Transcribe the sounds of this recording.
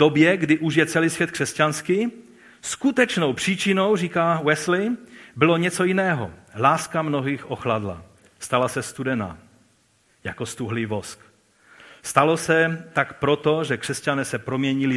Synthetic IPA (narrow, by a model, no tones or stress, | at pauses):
d̪̥objɛɡdɪʔuʒjɛt͡sɛliːsʋjɛt̪̚kr̥ɛscanskɪ | skut̪ɛt͡ʃno̞wpr̝̥iːt͡ʃɪno̞wriːkawɛslɪbɪlo̞ɲɛt͡so̞jɪnɛːɦo̰laːskamnoɦiːxʔoxladla̰ | st̪alasɛst̪udɛna̰ | jakost̪uɦlɪvosk | st̪alosɛt̪akpɾot̪oʒɛkr̝̥ɛscanɛːsɛpɾomɲɛɲɪlɪ